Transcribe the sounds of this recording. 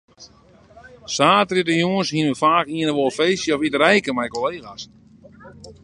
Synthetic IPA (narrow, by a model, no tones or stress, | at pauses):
saːtritəjuŋənshinəfaːkiənəʋolˠfejsjəɔfitərɛjkəmɛjkoleːɣas